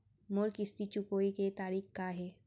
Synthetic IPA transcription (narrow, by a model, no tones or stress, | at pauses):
moɾkɪst̪it͡ʃʊkoːiket̪aːɾiːxkaɦɛː